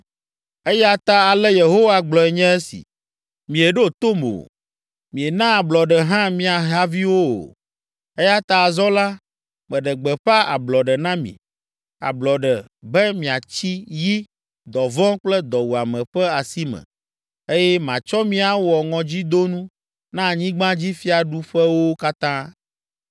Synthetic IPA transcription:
e˦jɛ˦a˦t̪a˦a˨lɛ˦je˨ɦo˦wa˦˨ɡ͡blɔ˨ɛ˨ɲɛ̃˦ɛ˦sḭ˨ | mĩ˨e˨ɖo˦˨t̪o˦mo̰˨ | mĩ˨e˨nã˦a˨blɔ˨ɖɛ˨ɦã˦mĩ˦a˨ɦa˦vi˦wo˦o̰˨ | e˦ja˦t̪a˨a˨zɔ˦la˦ | mɛ̃˨ɖɛ˨ɡ͡bɛ˨ɸa˦a̰˨blɔ˨ɖɛ˨nã˦mḭ̃˨ | a̰˨blɔ˨ɖɛ˨ | bɛ˦mĩ˨a˨t͡ɕi˦ji˦ | d̪ɔ˨vɔ̃˦k͡plɛ˦d̪ɔ˨wu˨a˨mɛ̃˨ɸɛ˦a˨si˦mɛ̰̃˨ | e˦jɛ˦mã˨t͡ʃɔ˦mĩ˦a˨wɔ˨ŋɔ̃˨d͡ʑi˦d̪o˦nũ˦ | nã˦˨ɲĩ˦ɡ͡bã˦d͡ʑi˦fi˦a˨ɖu˦ɸɛ˦wo˦ka˦t̪ã˦

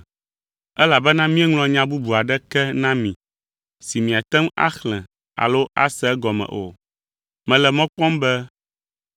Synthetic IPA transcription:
ɛ˦la˨bɛ˦nã˦mĩ˦ɛ˦ŋl̃ɔ̃˦ɲã˦bu˦bu˨a˨ɖɛ˦kɛ˦nã˦mĩ˨ | si˨mĩ˨a˨t̪ɛ˦ma̰˦xlɛ̃˨ | a̰˨lo˦ʔa̰˦sɛ˦ɡɔ˨mɛ̰̃˨ʔo̰˨ | mɛ̃˨lɛ˨mɔ̃˦k͡pɔ̃˦mbɛ˦

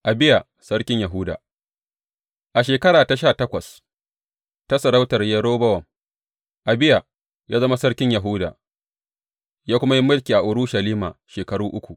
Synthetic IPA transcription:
ʔa˨bɪ˦ja˨ | sɐ˦ɽkʲɪ˦ɲjɐ˨ɦʊː˦da̰ː˨ | ʔa˨ʃeː˨kɐ˦ɽaː˨ta˨ʃaː˦˨tɐ˦kʷɐ˨s | ta˦sɐ˨ɽa˦wtɐ˨rjɐ˦ɽoː˦bɐ˦wɐ˨m | ʔa˨bɪ˦ja˨ | jaː˦zɐ˦ma˦sɐ˦ɽkʲɪ˦ɲjɐ˨ɦʊː˦da̰ː˨ | jaː˦kʷʊ˦ma˦ji˦mʊ˦lkʲiː˨ʔa˨ʔʊ˨ɾʊ˦ʃɐ˨liː˦ma̰ː˨ʃeː˨kɐ˨ɽuː˦ʔʊ˦kʷu˨ʔ

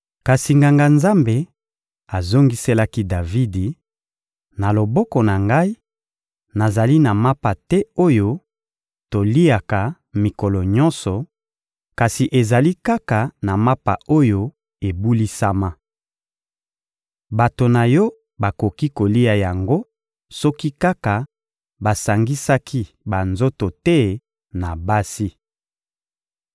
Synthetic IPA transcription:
ka˨si˨ŋɡa˨ŋɡa˨nza˦mbe˨ | a˨zo˦ŋɡi˦se˦la˦ki˦da˨vi˦di˨ | na˨lo˨bɔ˦kɔ˨na˨ŋɡa˦i˦ | na˨za˨li˦na˨ma˦pa˨tɛ˦o˦jo˦ | to˨li˦a˨ka˨ | mi˨kɔ˨lɔ˨ɲɔ̃˦nsɔ˨ | ka˨si˨ʔe˨za˨li˦ka˦ka˨na˨ma˦pa̰˨o˦jo˦ | e˨bu˦li˦sa˦ma˦ | ba˨to˨na˨jɔ˦ | ba˨ko˨ki˦ko˨li˦a˨ja˨ŋɡo˦ | sɔ˦ki˦ka˦ka˨ | ba˨sa˨ŋɡi˦sa˦kʰi˦ | ba˨nzo˦to˨tɛ˦ | na˨ba˦si˦

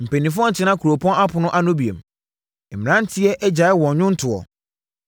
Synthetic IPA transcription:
m̩˨pẽ˨nĩ˨f̬ʊ˦ɔ̃˦n̩˨t͡ɕʰɪ˦nã˦kʰu˨ɾo˨pʰɔ̃˦na˦pʰʊ˨nʊ̃˦ʔa˦nʊ̃˦bi˨ḛ˨m | m̩˨m̃˨nã˦n̩˦tʰɪ˦ɛ˦ʔɛ˦d͡ʑa˨ɪ˦wɔ̃˨n˨ɲʊ̃˦n̩˦tʰʊ˨ɔ̰˨

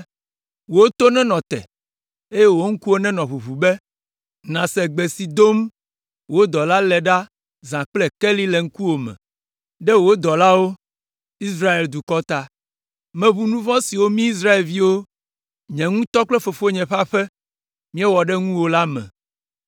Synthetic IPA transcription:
wo˦t̪o˦nɛ̃˦nɔ̃˨t̪ɛ̰˨ | e˦jɛ˦wo˦ŋ̩˦ku˦wo˦nɛ̃˦nɔ̃˨βu˨βu˨bɛ˦ | nã˨sɛ˨ɡ͡bɛ˨si˨d̪o˦m | wo˦d̪ɔ˨la˦lɛ˨ɖa˦ | zã˨k͡plɛ˦kɛ˦li˦lɛ˨ŋ̩˦ku˦wo˨mɛ̰̃˨ | ɖɛ˦wo˦d̪ɔ˨la˦wo˦ | i˦sɾa˦e˨ld̪u˨kɔ˦t̪a˦ | mɛ̃˨βu˦nũ˦vɔ̃˦si˨wo˦mĩ˦i˦s̬ɾa˦e˨lvi˦wo˦ | ɲɛ̃˨ŋũ˦t̪ɔ˦k͡plɛ˦fo˨fo˦ɲɛ̃˨ɸa˦ɸɛ˦ | mĩ˦ɛ˦wɔ˨ɖɛ˦ŋũ˦wo˦la˦mɛ̰̃˨

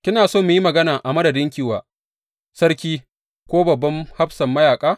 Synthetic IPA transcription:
kʲɪ˦naː˨soː˦mʊ˨ji˦mɐ˨ɡɐ˦naː˨ʔa˨mɐ˦dɐ˨dɪ˦ŋkʲɪ˦wa̰ː˨ | sɐ˦ɽkʲiː˦ | kʷoː˦bɐ˨bːɐ˦mha˦bsɐ˨mːɐ˦jaː˨kʼaː˦

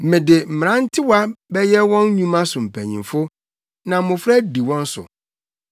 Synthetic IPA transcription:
mɪ̃˨dɪ˨m̩˨m˨ɾã˦n̩˦tʰɪ˦wɔ˦a˦bɛ˦jɛ˦wɔ̃˦nɲũ˦mã˦sʊ̃˨m̩˨pʰæ̰˨ɲḭ̃˨mfʊ˦ | nã˨˦mʊ̃˨fɾa˦di˨wɔ̃˦n̩˦sʊ̰˨

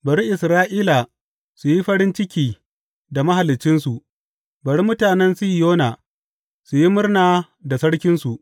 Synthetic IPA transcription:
bɐ˨ɽi˦ʔɪ˨sɾaː˦ʔiː˦la˨ | su˨ji˦ɸɐ˦ɽɪ˦nt͡ʃɪ˦kʲiː˨ | da˨mɐ˦ɦa˨lɪ˨t͡ʃːɪ˦nsu˨ʔ | bɐ˨ɽi˦mʊ˦taː˨nɛ˦nsu˦jjoː˦na˨ | su˨ji˦mʊ˦rnaː˨ | da˨sɐ˦ɽkʲɪ˦nsu˨ʔ

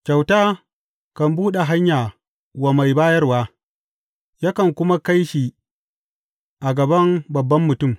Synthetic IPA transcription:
kʲa˨wtaː˦ | kɐ˨mbuː˦ɗe˨ɦa˦ɲjaː˨ | wa˨ma˨jbaː˦jɐ˦rwaː˦ | ja˦kɐ˨ŋkʷʊ˦ma˦ka˦jʃi˨ | ʔa˨ɡɐ˨bɐ˦mbɐ˨bːɐ˦mːʊ˨tʊ˦˨m

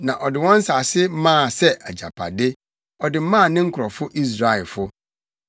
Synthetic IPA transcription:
nã˨ʔɔ˨dɪ˨wɔ̃˦n̩˦sa˨sɪ˦mãː˦˨sɛ˦ʔæ˨d͡ʑa̰˨pʰa̰˨dɪ˦ | ɔ˨dɪ˨m̩˦mã˦˨nɪ̃˦ŋ̩˦kʰʊ˨ɾɔ˨fʊ˦ʔi˦s̬ɾa˦˨ɛ˨fʊ˦

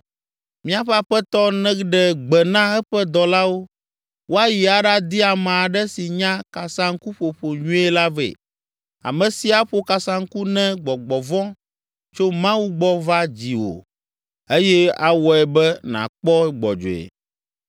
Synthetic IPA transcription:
mĩ˦a˨ɸɛ˦a˨ɸɛ˦t̪ɔ˦nɛ̃˦ɖɛ˨ɡ͡bɛ˨nã˦ɛ˦ɸɛ˦d̪ɔ˨la˦wo˦ | wo˦a˦ji˨a˨ɖa˦d̪i˦a˨mã˨a˨ɖɛ˦si˨ɲã˦ka˨sã˦ŋ̩˦ku˦ɸo˨ɸo˨ɲũ˦ɛ˦la˦vḛ˨ | a̰˨mɛ̃˨si˨a˦ɸo˦ka˨sã˦ŋ̩˦ku˦nɛ̃˦ɡ͡bɔ˨ɡ͡bɔ˨vɔ̃˦ | t͡ʃo˦mã˦wu˦ɡ͡bɔ˦va˦d͡ʑi˨wo̰˨ | e˦jɛ˦a˨wɔ˨ɛ˨bɛ˦nã̰˨k͡pɔ˦ɛ˦ɡ͡bɔ̰˨d͡ʒo̰˨ɛ̰˨

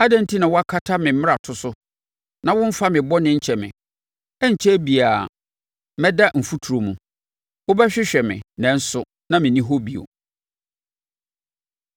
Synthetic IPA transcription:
a˦dɛ̃˦n̩˦tʰi˦nã˨wɔ˦a˦kʰa˦tʰa˦mɪ̃˨˦mɪ̃˦a˨tʰʊ˦sʊ˦ | nã˨wʊ̃˦m̩˦fa˦mɪ̃˨bɔ˦nɪ̃˦ɲ̩˦t͡ɕʰɛ˨mɪ̰̃˨ | ɛ˦ɲ̩˨t͡ɕʰɛ˦bi˨a˨ | mɛ̃˦da˦m̩˨fu˦tʰu˨ɾo˨mũ˨ | wʊ˦bɛ˦ɕᶣɪ˦ɕᶣɛ˨mɪ̰̃˨nɛ̃˨n̩˦sʊ˦ | nã˦mɪ̃˨nĩ˦ɦo˦bi˨o̰˨

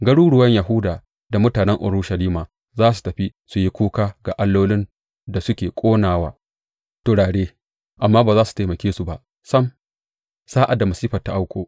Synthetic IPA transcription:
ɡɐ˦ɽuː˦ɽʊ˨wɐ˦ɲja˨ɦʊ˦daː˨ | da˨mʊ˦taː˨nɛ˦ŋʔʊ̰˨ɽuː˦ʃɐ˨liː˦maː˨ | zaː˦s̬u̥˨tɐ˨ɸi˦su˨ji˦kʷuː˦kaː˦ɡa˨ʔa˦lːoː˦lɪ˦n | da˨sʊ˦kʲeː˨kʷʼoː˦naː˨waː˦ | tʊ˨ɽaː˨ɽeː˦ | ʔa˨mːaː˦baː˨zaː˦su̥˨taː˨mɐ˨kʲeː˦su˨ba˨ʔ | sɐ˦m | saː˦ʔa˨dːa˨mɐ˨siː˦ɸɐ˨tːa˨ʔa˦wkʷoː˨

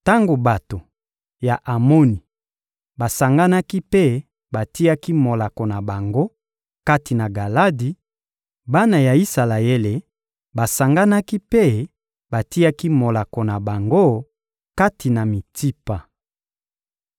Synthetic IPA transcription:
ta˦ŋɡo˨ba˨to˨ | ja˨ʔa˨mo˦ni˨ | ba˨sa˨ŋɡa˦na˦ki˦pe˦ | ba˨ti˦ja˦ki˦mo˨la˨ko˨na˨ba˨ŋɡo˦ | ka˦ti˨na˨ɡa˨la˦di˨ | ba˦na˨ja˨i˦sa˨la˨e˦le˨ | ba˨sa˨ŋɡa˦na˦ki˦pe˦ | ba˨ti˦a˦ki˦mo˨la˨ko˨na˨ba˨ŋɡo˦ | ka˦ti˨na˨mi˨tʰi˦pa˨

